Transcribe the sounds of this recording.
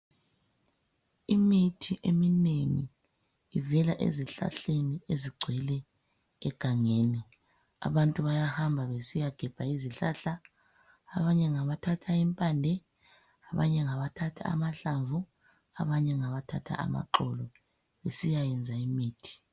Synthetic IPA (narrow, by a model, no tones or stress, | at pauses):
imitʰiʔemineŋiː | vɛlaʔḛziɬa̰ɬenieziɡ͡ǀʱwɛlɛ | ɛ̰ɡ̥ʱaŋeni | a̰βantʼuβajahambʱaβesijaɡ̥ʱɛb̥ʱaiziɬaɬaː | βaɲɛŋaβatʰatʰaimpʼandʱɛ | aβa̰ɲɛŋaβatʰatʰa̰a̰maɬaɱvu | aβaɲɛŋaβatʰatʰa̰a̰ma̰ǃɔlɔ | βesijajɛnd͡zʱaimiːtʰi̥